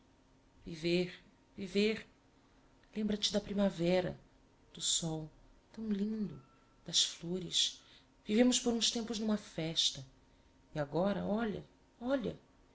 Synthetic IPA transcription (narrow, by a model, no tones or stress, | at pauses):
viveɾ | viveɾ | lẽmbɾɐt͡ʃɪd̪ɐpɾimavɛɾɐ̰ | d̪̥ʊsɔw | t̪ɐ̃w̃lĩd̪ʊ | d̪̥ɐsfloɾɪs | vivẽmʊspoɾũst̪ẽmpʊznũmɐfɛʃt̪ɐ | iaɡɔɾɐ̰ɔʎɐ̰ | ɔʎɐ